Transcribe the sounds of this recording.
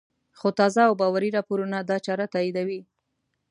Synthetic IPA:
xot̪ɑzaːwbɑwaɾiɾɑpoɾunad̪ɑt͡ʃɑɾat̪ɑid̪awi

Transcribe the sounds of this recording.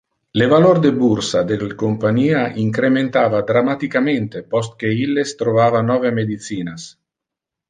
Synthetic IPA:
levalord̪ebuɾsad̪elkompaɲiːaʔiŋkɾement̪aːvad̪ɾamat̪ikament̪epɔst̪̚keilːest̪ɾovaːvanɔvemed̪it̪siːnas

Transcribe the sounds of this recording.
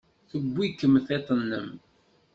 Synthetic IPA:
θəbʷːikːəmθet̪ˤənːə̰m

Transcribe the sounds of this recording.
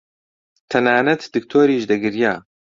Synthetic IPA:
t̪ʰɐnaːnɐt̪d̪ɨk̚t̪ʰoːɾiːʃd̪ɐɡɨɾjaː

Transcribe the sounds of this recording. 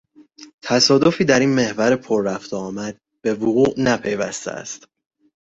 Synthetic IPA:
t̪ʰæsɒːd̪o̞fiːd̪æɾiːnme̞hvæɾepʰoɾːæft̪ɒːmæd̪̥̚ | b̥e̞voɣuːʔnæpʰe̞jvæ̰st̪ḛæ̰st̪

